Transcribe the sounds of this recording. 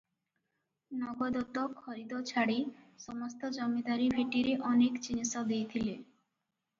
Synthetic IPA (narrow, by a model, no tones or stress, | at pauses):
nɔɡɔd̪ɔt̪ɔkʰɔɾid̪ɔt͡ʃʰaɽisɔmɔst̪ɔd͡ʒɔmid̪aɾibʱeʈiɾeʔɔnekt͡ʃinisɔd̪ejt̪ʰile